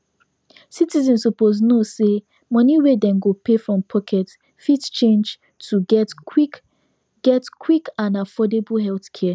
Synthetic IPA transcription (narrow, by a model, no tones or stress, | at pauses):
sitizɛ̃nsɔpoznose | mʌ̃niwedɛ̃mɡopʰefɹɔ̃mpʰɔkʰɛt | fidt͡ʃẽnd͡ʒ | tʰuɡɛtk | ɡ̥ɛtkʰwikãnafɔdeblɦɛlθkʰɛ